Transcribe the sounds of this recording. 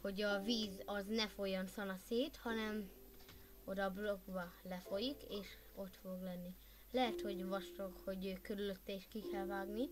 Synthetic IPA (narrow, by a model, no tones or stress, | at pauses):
ho̞ɟɒviːzɒznɛfojɒnsɒnɒseːt̪hɒnɛm | o̞d̪ɒblo̞ɡbɒlɛfo̞jikeːʃ | o̞t̪fo̞ɡlɛnːi | lɛɦɛt̪ho̞ɟvɒʃt̪okho̞ɟøːkøɾyløt̪ːɛeːʃkikɛlvaːɡni